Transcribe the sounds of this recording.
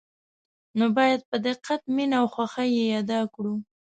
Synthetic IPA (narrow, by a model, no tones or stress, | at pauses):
nobɑjad̪̚pəd̪ɪqːat̪̚minawxwaxajejɑd̪ɑkɽu